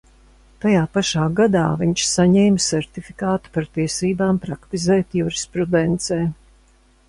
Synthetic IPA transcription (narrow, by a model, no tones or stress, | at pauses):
t̪ajaːpaʃaːɡad̪aːviɲt͡ʃsaɲɛːmsɛɾt̪ifi̥kaːt̪u̥paɾt̪iɛsiːbaːmpɾakt̪izɛːt̪juɾispɾud̪ɛnt̪seː